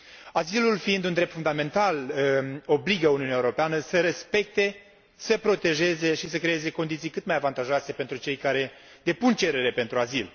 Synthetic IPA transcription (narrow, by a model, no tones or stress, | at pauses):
azilulfiind̪und̪ɾep̚t̪fund̪ame̞nt̪al | o̞bliɡəuniunjaeuɾo̞peanəsəɾe̞spe̞k̚t̪e̞ | səpɾo̞t̪e̞ʒe̞ze̞ʃisəkɾe̞e̞ze̞ko̞nd̪it̪sijkɨt̪majavant̪aʒoase̞pent̪ɾut͡ʃe̞jkaɾe̞ | d̪e̞punt͡ʃe̞ɾe̞ɾe̞pe̞nt̪ɾuazil